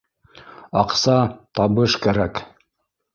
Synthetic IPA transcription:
ɑqsɑt̪ɑβɤʃkæɾæk

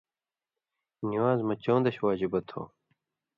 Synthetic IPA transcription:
niwaːzmɐt͡ɕõːnd̪ɐɕwaːd͡ʑibɐt̪ʰo̰ː

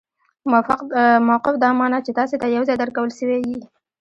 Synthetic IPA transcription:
mfqmawqɪfd̪ɑmɑnɑt͡ʃet̪ɑset̪ajawzɑjd̪əɾkawəlʃəwewi

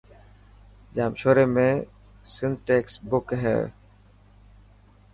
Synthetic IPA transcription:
d͡ʒaːmʃoːɾemẽ | sɪ̃nd̪ʈeːksbʊkɦɛ̰ː

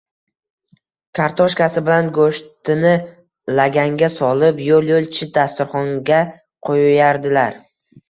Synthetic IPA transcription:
kʰaɾt̪ʰɒʃkʲasɪbɪlanɡoʃt̪ɪnɪ | laɡʲaŋɡʲasɒlɪpjolˠjolˠt͡ʃʰɪt̪̚d̪ast̪ʊɾχɒŋɡʲa | qʰojjaɾd̪ɪlaɾ

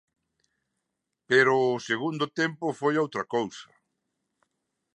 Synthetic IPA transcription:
peɾʊːseɣund̪ʊt̪ɛmpʊfojowt̪ɾɐkowsɐ

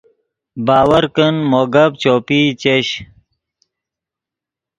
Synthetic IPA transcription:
baːwɐɾkənmoɡɐb̚t͡ɕoːpit͡ɕeɕ

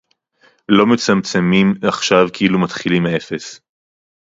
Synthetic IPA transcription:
lo̞met͡samt͡semimaχʃavkeilumat̪χilimee̞fe̞s

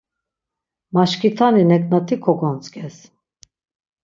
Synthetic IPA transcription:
maʃkʰit̪ʰaninɛkʼnat̪ʰikʰɔɡɔnt͡sʼkʰʼɛs

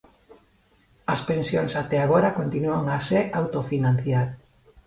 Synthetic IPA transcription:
aspẽnsjoŋsat̪ɛaɣ̞oɾakont̪inuaŋaseʔawt̪ofinãnθjaɾ

